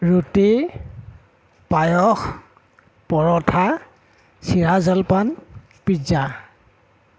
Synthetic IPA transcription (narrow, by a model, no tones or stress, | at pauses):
ɹuti | pajɔx | pɔɹɔtʰa | siɹazalpan | piza